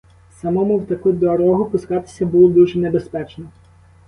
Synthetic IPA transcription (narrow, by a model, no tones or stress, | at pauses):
sɐmɔmʊwt̪ɐkud̪ɔɾɔɦʊpʊskɑt̪ɪ̥sʲɐbʊlˠɔd̪uʒɛnebespɛt͡ʃnɔ